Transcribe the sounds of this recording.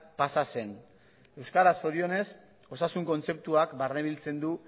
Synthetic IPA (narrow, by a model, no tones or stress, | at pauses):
pasase̞n | e̞wskaɾaso̞ɾio̞ne̞s | o̞sasuŋko̞nt͡se̞p̚t̪uakbarneβilt͡se̞nd̪u